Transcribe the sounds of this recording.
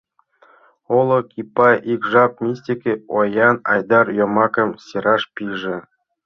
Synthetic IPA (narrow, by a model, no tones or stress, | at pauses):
olˠŏkʰʲipːɑjʔikʐɑp̚mʲisʲtʲikʲeojɑnɑ̰jd̪ɑrjomɑkɤ̆msʲeɾɑʂpʲiʐɘ̆